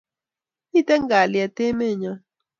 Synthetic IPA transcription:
i˦˨tɛ˦ŋ˦ɡa˨ljɛ˨te˦me˦˨ɲɔ˦

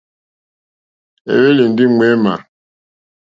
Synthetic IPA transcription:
ḛ˨we˦li˨n̩˨˦di˦ŋ͡me˨˦ma̰˨

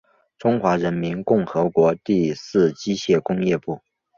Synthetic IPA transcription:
ʈ͡ʂʊ˥ŋxwa˧˥ɻə˧˥nmi˧˥nkʊ˥˩ŋxɤ˧˥kwɔ˧˥t̪i˥˧sɹ̩˥˩t͡ɕi˥ɕjɛ˥˩kʊ˥ŋjɛ˥˧pu˥˩

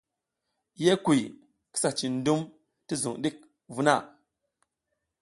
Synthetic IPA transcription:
je˦ku˨ | ki̥˦sa˨t͡ʃi˨n˦du˦m | ti˦zṵ˨ŋɗi˦k̚ | vu˦na˦˨

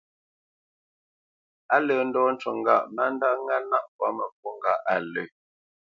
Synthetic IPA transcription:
a˦lə˨n̩˦dɔː˦n̩˦t͡ʃwɔ˨ŋ˦ɡa˨ʔma˦n˦da˦ŋa˦na˦ʔpwa˨˦mə˨p̚u˦ŋ˨ɡa˦˨ʔa˨lə˨

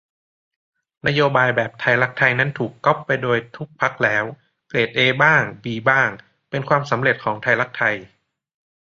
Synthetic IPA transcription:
na˦˥joː˧baː˧jbɛː˨˩p̚t̪ʰa˧jla˦˥k̚t̪ʰa˧jna˦˥nt̪ʰuː˨˩kːɔ˦˥pːa˧jdoː˧jt̪ʰu˦˥k̚pʰa˦˥k̚lɛː˦˥w | kleː˨˩t̪̚ʔeː˧baː˥˩ŋbiː˧baː˥˩ŋ | pe˧nkʰwaː˧msa˩˦mɾe˨˩t̪̚kʰɔː˩˦ŋt̪ʰa˧jla˦˥k̚t̪ʰa˧j

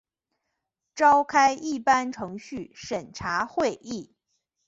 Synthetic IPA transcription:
ʈ͡ʂɑ˥ʊkʰa˥ɪʔi˥˩pa˥nʈ͡ʂʰɤ˧˥ŋɕy˥˩ʂə˨˩nʈ͡ʂʰa˧˥xwe˥˧ɪʔi˥˩

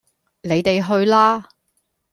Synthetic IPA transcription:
ne˨˧jt̪e˨jɦɵ˧ɥlaː˥

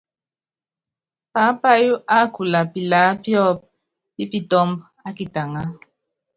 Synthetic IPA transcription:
pa˨˦pa˦ju˦ʔa˦ku˨la˨pi˨la˨˦pjɔ˦p̚ | pi˦pi˦˨tɔ˦mb | a˦ki˨ta˨ŋa˦

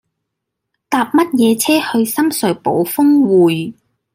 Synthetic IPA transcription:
t̪aː˨p̚mɐ˥t̚jɛː˨˧t͡sʰɛː˥hɵ˧ɥsɐ˥msɵ˨˥˩po˨˥wfʊ˥ŋwuː˨˩j

